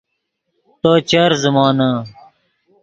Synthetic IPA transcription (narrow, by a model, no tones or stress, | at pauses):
t̪oːt͡ɕɐɾzɐmaːnaː